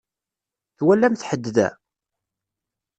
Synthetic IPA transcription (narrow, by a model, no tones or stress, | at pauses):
θwælːæmθħəd̪ːðæ̰